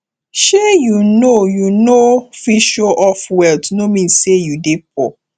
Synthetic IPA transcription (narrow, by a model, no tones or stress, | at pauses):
ʃejunojunofiʃoʔɔfwɛldnomĩnsejudep̚ɔ